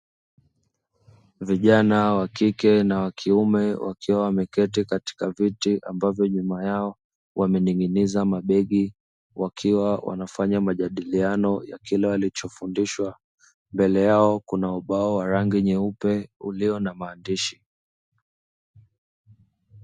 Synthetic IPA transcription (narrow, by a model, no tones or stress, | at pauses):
viʄanawakikɛnawakʰiumɛwʔa̰kʰiwawamɛkɛtikati̥kavitiʔambavjɔɲumajaɔ | wʔamɛniŋɡinizamaɓɛɠi | wakʰiwawʔa̰nafaɲamaʄaɗilianɔja̰kilɛwalit͡ʃɔfundiʃwa | mbɛlɛjaɔkunauɓaɔwaɾaŋɡiɲɛupɛuliɔnamaːndiʃi̥